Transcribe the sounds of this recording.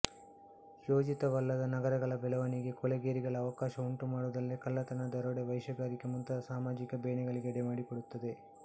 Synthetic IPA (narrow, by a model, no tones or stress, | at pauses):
joːd͡ʒit̪ɐʋɐlːɐd̪ɐnɐɡɐɾɐɡɐɭɐbɛlɐʋɐniɡe̞kɔleɡeːɾiɡɐɭɐːʋɐkaːʃɐuɳʈumaːɽud̪ɐlːikɐlːɐt̪ɐnɐd̪ɐɾoɽeʋɐjʃɐɡaːɾikemunt̪ɐsaːmaːd͡ʒikɐbeːɳɛɡɐɭiɡeɽemaːɽikoɽut̪ːɐd̪e̞